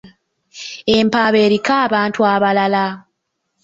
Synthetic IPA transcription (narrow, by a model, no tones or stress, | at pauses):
empaːβeːɾikaːβaːntuaβalala